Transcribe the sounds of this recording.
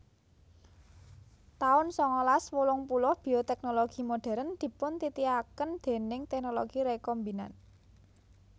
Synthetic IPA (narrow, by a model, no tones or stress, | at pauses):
t̪aʊnsɔŋɔlaswulʊŋpulʊhb̥i̤ot̪ɛk̚noloɡ̥i̤moɖ̥ɛ̤ɾənd̪̥i̤pʊnt̪it̪iakənd̪̥e̤nɪŋt̪ɛk̚noloɡ̥iɾekɔmbina̰n